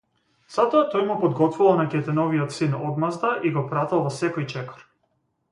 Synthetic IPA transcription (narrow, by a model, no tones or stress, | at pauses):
z̥at̪ɔat̪ɔjmupɔd̪ɡɔt̪vuvalˠnakʲɛt̪ɛnɔviɔt̪sinɔd̪mazd̪aʔiɡɔpɾat̪ɛlˠvɔsɛkɔjt͡ʃɛkɔ̥ɾ